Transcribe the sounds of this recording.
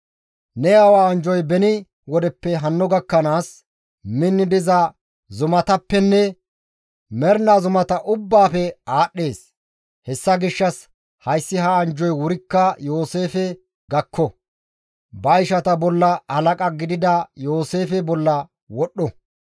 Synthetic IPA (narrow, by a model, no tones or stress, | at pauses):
nɛɐwaɐnd͡ʒɔjbɛnɪ | wɔd̪ɛpːɛɦɐnːɔɡɐkːɐnaːs | mɪnːɪd̪ɪzɐ | zʊmɐt̪ɐpːɛnːɛ | mɛɾnazʊmɐt̪ɐʔʊbːaːfɛaːɗːe̞ːs | hɛsːɐɡɪʃːɐs | hɐjsːɪɦɐːnd͡ʒɔjwʊɾɪkːɐjo̞ːse̞ːfɛ | ɡɐkʰːɔ | bɐɪʃɐt̪ɐbɔlːɐhɐlɐkʼɐɡɪd̪ɪd̪ɐjo̞ːse̞ːfɛbɔlːɐ | wɔɗːɔ